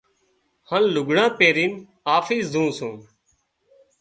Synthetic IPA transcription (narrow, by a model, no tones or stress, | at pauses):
hãːnlʊɡɳãːpeːɾiːn | aːfiːsd̪ʱũːsũː